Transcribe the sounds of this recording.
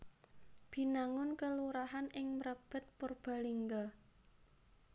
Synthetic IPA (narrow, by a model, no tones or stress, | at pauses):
b̥i̤naŋʊnkəluɾaɦanɪŋmɾəb̥ə̤t̪̚purb̥a̤liŋɡa